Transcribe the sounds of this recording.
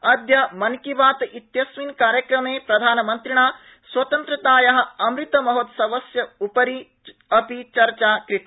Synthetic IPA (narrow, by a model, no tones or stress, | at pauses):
ɐd̪jɐmɐnkiʋaːt̪it̪jɐsʋinkaːɾjɐkɾɐmeːpɾɐd̪ʱaːnɐmɐnt̪ɾiɳaː | swɐt̪ɐnt̪ɾɐt̪aːjɐɦɐ̆ɐmɾit̪ɐmɐɦot̪sɐʋɐsjɐupɐɾi | ɐpit͡ʃɐɾt͡ʃaːkɾit̪